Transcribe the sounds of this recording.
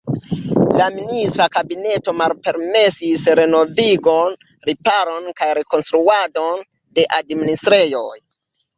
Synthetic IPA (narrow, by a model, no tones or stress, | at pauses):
laministɾakabine̞to̞malpe̞ɾme̞sisɾe̞no̞viɡo̞n | ɾipaɾo̞nkajɾe̞ko̞nstɾuado̞n | de̞ʔadministɾe̞jo̞j